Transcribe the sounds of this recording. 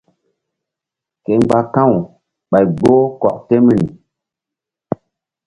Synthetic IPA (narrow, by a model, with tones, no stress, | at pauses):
ke˨ŋ͡mɡ͡ba˦kã˦˨w | ɓa˨jɡo˦kɔ̰˨k̚te˦mi˨n˨